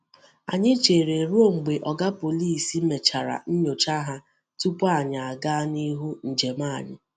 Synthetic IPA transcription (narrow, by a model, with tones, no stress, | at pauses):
a̰˨ɲɪ˦t͡ʃe˨ɾe˨ɾu˦o˦ŋ͡m̩˨ɡ͡be˨ʔɔ˨ɡa˦po˨li˦˨si˦me˨t͡ʃa˨ɾa̰˨n̩˦ɲo˨t͡ʃa˦ɦa˦ | tu˦pa˨ɲa˨a˨ɡa˦ni˦ɦu˦n̩˨d͡ʒe˨ma˦˨ɲɪ˨